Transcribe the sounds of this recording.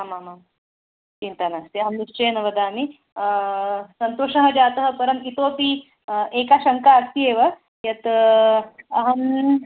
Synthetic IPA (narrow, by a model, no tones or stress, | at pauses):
amamam | t͡ʃint̪anaːst̪iɐɦɐmniʂt͡ʃeːnɐʋɐd̪aːmi | sɐnt̪oːʂɐɦɐ̆d͡ʒaːt̪ɐɦɐ̆pɐɾɐmit̪oːpi | eːkaːʃɐŋkaːst̪ieːʋɐ | jɐt̪ | ɐɦɐm